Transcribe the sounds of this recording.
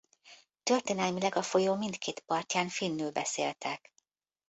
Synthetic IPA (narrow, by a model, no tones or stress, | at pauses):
t̪ø̞rt̪eːnɛlmilɛɡɒfo̞joːmint̪kʰeːt̪pɒrcaːnfinːyːlbɛseːlt̪ʰɛk